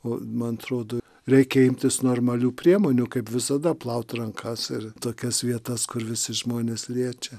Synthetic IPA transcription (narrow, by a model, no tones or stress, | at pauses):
oːmɐnɐt̪ɾoːd̪oː | ɾʲɛɪkʲɛɪmʲt̪ʲɪsnoːrmɐlʲuːpʲɾʲiɛmoːnʲuːkɐɪpʋʲɪsɐd̪ɐplˠɐʊt̪ʲrɐŋkʰɐsɪrt̪oːkʲɛsʋʲiɛt̪ɐskʊɾʋʲɪsʲɪʒmoːnʲeːslʲiɛt͡ʃʲɛ